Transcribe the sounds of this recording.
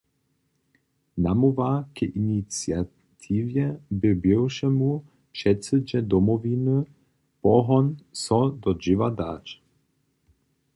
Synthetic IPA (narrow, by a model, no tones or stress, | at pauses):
namuvakɛʔinit͡sja | t̪ʰiːvjɛbɛbɛwʃɛmu | pʂɛt͡səd͡ʑɛd̪ɔmɔvinə | pɔɦɔnsɔd̪ɔd͡ʒɪvad̪aːt͡ʃ